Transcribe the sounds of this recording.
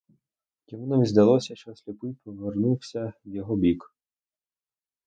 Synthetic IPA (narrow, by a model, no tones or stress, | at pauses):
jʲimunɔʋʲizd̪ɐlˠɔsʲɐʃt͡ʃɔsʲlʲʊpɪpɔʋernuwsʲɐwjɔɦɔbʲik